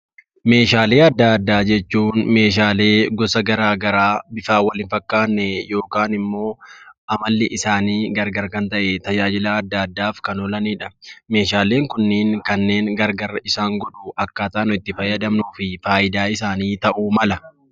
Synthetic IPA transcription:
me̞ːʃaːle̞ːɐd̪ːad̪ːaːd͡ʒɛt͡ʃːuːnme̞ːʃ̬aːle̞ːɡɔsɐɡɐɾaːɡɐɾaːbɪfaːwɐlɪnfɐkːaːnːɛjo̞ːkaːnɪmːo̞ːʔɐmɐlːɪʔɪsaːniːɡɐɾɡɐɾkɐnt̪ɐʔɛt̪ɐd͡ʒaːd͡ʒɪlaːd̪ːaːd̪ːaːfkɐnɔlɐniːᶑɐme̞ːʃaːle̞ːŋkʊnːɪːŋkɐnːe̞ːŋɡɐɾɡɐɾɪsaːŋɡɔᶑʊʔɐkːaːt̪aːnʊɪt̪ːɪfɐjːɐd̪ɐmnuːfɪfaːʔɪd̪aːɪsaːniːt̪ɐʔumɐlɐ

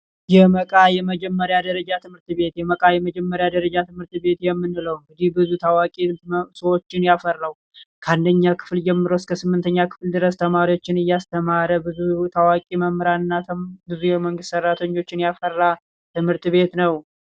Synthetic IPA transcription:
jɛməkʼajɛməd͡ʒɛmːəɾjad̪əɾəd͡ʒat̪ʰɨmhɨɾt̪βe̞t̪jɛməkʼajɛməd͡ʒɛmːəɾjad̪əɾəd͡ʒat̪ʰɨmhɨɾt̪be̞t̪jɛmːɨnːɨləwmbɨd̪ihbɨzut̪ʰawakʼisəwo̞t͡ʃːɪnjafərːaw | kʰəand̪əɲːakʰɨ̥fld͡ʒɛmːɨɾəwskʰəsɨmːɨnt̪ʰəɲːakʰɨ̥fld̪ɨɾəst̪ʰəmaɾiwo̞t͡ʃːɪnɨjːast̪ʰəmaɾəbɨzut̪ʰawakʼiməmːɨɾanɨnːabɨzujɛməŋɡɨst̪sərːat̪ʰəɲːo̞t͡ʃːɪnjafərːa | t̪ʰɨmhɨɾt̪βe̞t̪nəw

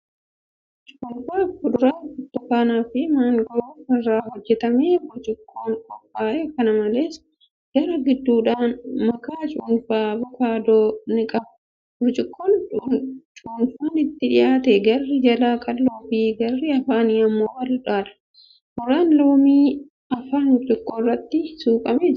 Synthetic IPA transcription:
t͡ʃʼunfaːfʊᶑʊɾaːʊt̪ːʊkaːnaːfɪmaːŋɡɔɾbɐrːaːɦɔd͡ʒːɛt̪ɐmeːbʊɾt͡ʃʼɪkʰːoːnkʼɔfːaːʔeːkːɐnɐmɐle̞ːs | ɡ̥ɐɾɐɡɪd̪ːuːᶑaːnmɐkaːt͡ʃʼʊnfaːbɔkaːd̪oːnɪkʼɐbɐ̥ | bʊɾt͡ʃʼɪkːoːnʊt͡ʃʼuːnfuːnɪt̪ːɪᶑɪjaːt̪ɛɡɐrːɪd͡ʒɐlaːkʼɐlloːfiːɡɐrːɪɐfaːniːɐmːoːwɐlɪᶑaːᶑɐ̥ | hɔrːaːnloːmiː | ɐfaːnʊɾt͡ʃʼɪkːoːrːɐt̪ːɪsuːkʼɐmed͡ʒ

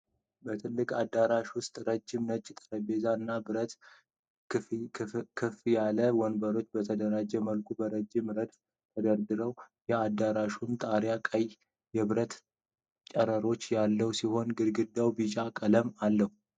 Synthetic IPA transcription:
bət̪ʰɨlːɨkʼad̪aɾaʃwʊst̪ʼɾəd͡ʒːɪmnət͡ʃʼːɪt̪ʼəɾəbe̞zaɨnːabɨɾət̪ | kʰɨfjaləwɔnbəɾo̞t͡ʃːbət̪ʰəd̪əɾad͡ʒɛməlkʼubəɾəd͡ʒːɪmɾəd̪f | t̪ʰəd̪əɾd̪ɨɾəwjɛad̪aɾaʃunt̪ʼaɾjakʼəj | jɛβɨɾət̪ | t͡ʃʼəɾəɾo̞t͡ʃːjalːəwsiho̞nɡɨɾɡɨd̪ːawbit͡ʃʼakʼələmalːəhu

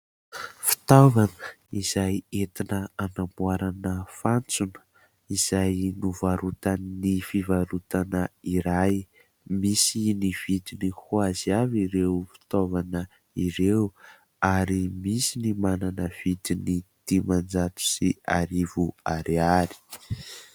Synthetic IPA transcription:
fi̥t̪ovanəiz̥ajet̪inəanampuaɾanəfant͡sunə̥ | iz̥ajnuvaɾut̪annifivaɾut̪anəiɾaj | misiniv̥id̪inihuaziaviɾewfi̥t̪ovanə | iɾew | aɾimisinimananəv̥id̪init̪imand͡zat̪u̥siaɾivuaɾeaɾi̥

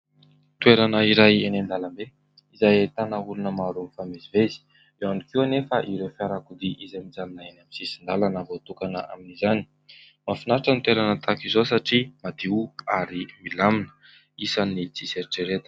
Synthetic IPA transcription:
t̪weɾanəiɾajenand̪alambe | izajat̪anaulunəmaɾumifamizivezi̥ | ewanikiwnefaʔiɾefjaɾakud̪iʔizamid͡zananaenamisisind̪alanambot̪ukanə̰a̰minizani̥ | mafinaɾaʈ͡ʂənit̪weɾanət̪akizos̬aʈ͡ʂimad̪iuaɾimilaminə̥ | isanit͡sizeɾiʈ͡ʂeɾet̪ə̥

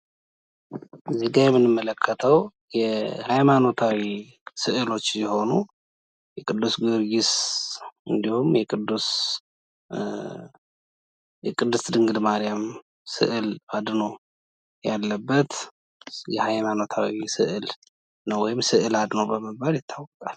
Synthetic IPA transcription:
zːiɡajɛmːɨnːɨmːələkʰːət̪ʰəw | jɛhajmano̞t̪ʰawi | sɨʔɨlo̞t͡ʃːsɛho̞nu | jɛkʼɨd̪ːusɡɨɾjɪs | ɨnd̪ihumjɛkʼɨd̪ːus | jɛkʼɨd̪ːɨsd̪ɨŋɡɨd̪maɾijam | sɨ̰ʔɨlad̪no | jalːəbːət̪ | jɛhajmano̞t̪ʰawisɨʔɨl | nəwɔjɪmsɨʔɨlad̪nobəməbaɾjɪt̪ʰːawɔkʼal

